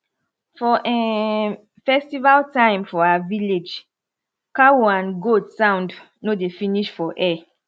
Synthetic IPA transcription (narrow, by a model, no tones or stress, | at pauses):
fɔʔɛ | fɛstivaltãɪ̃mfɔaaviled͡ʒ | kawãnɡodsãʊ̃nd | nodefĩniʃfɔʔɛ